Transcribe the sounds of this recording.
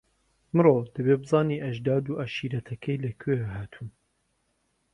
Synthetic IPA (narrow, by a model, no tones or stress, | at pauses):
mɨrod̪ɐβebɨzɑːniːʔɐʒd̪aːd̪uːʔaʃiːɾɐt̪ʰɐkʰɐjlɐkʰeɦaːt̪ʰuːn